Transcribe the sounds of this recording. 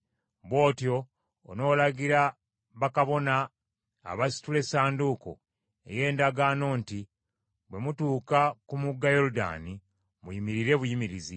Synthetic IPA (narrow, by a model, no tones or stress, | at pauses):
βwo̞ːtjo̞̰ː | no̞ːlaɡiɾa | βakaβo̞na̰ː | βasi̥tule̞saːnduko̞̰ | e̞̰je̞ːndaɡaːno̞ːnti | βwe̞mutuːkakumuɡːajo̞ɾuda̰ni | mujimiɾiɾe̞βujimiɾizi